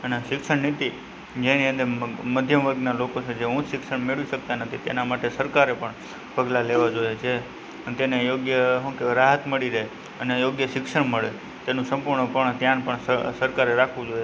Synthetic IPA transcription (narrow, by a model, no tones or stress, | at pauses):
əneʃɪkʃəɳnit̪i | d͡ʒeniə̃nd̪əɾməd̪ʱjəmʋəɾɡnalokot͡ʃed͡ʒeɦũt̪ʃɪksəɽmeɭʋiʃək̚t̪anət̪ʰit̪ḛnamaʈesəɾkaɾepəɳ | pəɡlaleʋad͡ʒoet͡ʃʰe | ənt̪enejoɡjəɦũkeɾaɦət̪məɭiɾəɦe | ənejoɡjəʃɪkʃəɳməɭe | t̪enũsə̃mpuɾɳəpəɳt̪jãnpəɳsəsəɾkaɾeɾakʰʋũd͡ʒoe